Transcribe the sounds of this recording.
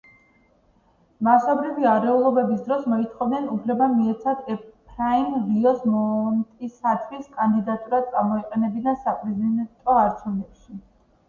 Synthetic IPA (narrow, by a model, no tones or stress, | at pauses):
masɔbɾiviaɾɛulˠɔbɛbis̬d̪ɾɔsmɔit̪ʰχɔvd̪ɛnupʰlɛbamiɛt̪sʰad̪ɛpʰɾaimɾiɔsmɔnt̪ʼisat̪ʰviskʼand̪id̪at̪ʼuɾad̪̚t̪ʼamɔiqʼɛnɛbinasapʼɾɛzid̪ɛnt̪ʼɔaɾt͡ʃʰunɛpʃi